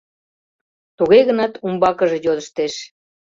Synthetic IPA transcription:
t̪uɣeɣənɑt̪umbɑkəʒe̽jod̪əʃt̪eʃ

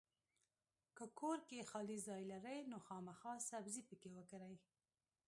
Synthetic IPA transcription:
kəkʰoɾkexɑlizɑjlaɾəjnoxɑmaxɑsabzipəkewəkaɾaj

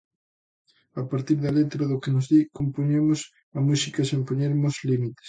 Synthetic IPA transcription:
apaɾt̪iɾðɐlet̪ɾɐðʊkenʊzðikompoɲemʊs | ɐmusikɐsempoɲeɾmozlimit̪e̥s

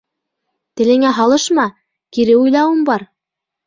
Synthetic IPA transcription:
t̪ɘ̆lɘ̆ŋæɦɑlˠɤʃmɑ | kiɾɘujlˠɑwɤ̆mbɑɾ

